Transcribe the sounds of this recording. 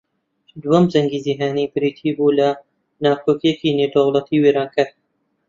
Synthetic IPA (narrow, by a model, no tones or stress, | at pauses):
d̪uwɐmzɐŋɡiːziɦaːniːbɨɾiːt̪ʰiːbuːlɐ | naːkʰoːkijekiːnewd̪ɐwlɐt̪ʰiːweːɾɑːnkɨɾt̪